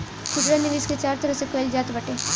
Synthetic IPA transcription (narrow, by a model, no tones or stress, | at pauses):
kud̪ɾanɪʋiːsket͡ʃaːɾt̪əɾəsekəjld͡ʒaːt̪bɐʈeː